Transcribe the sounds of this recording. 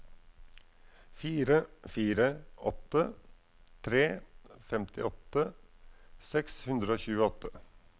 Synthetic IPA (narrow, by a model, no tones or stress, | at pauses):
fiːɾəfiːɾəʔɔt̪ə | t̪ʰɾeːfɛmt̪ʰɪ̰ɔt̪ə | sɛkshʉnd̪ɾəoːçʉːəɔt̪ə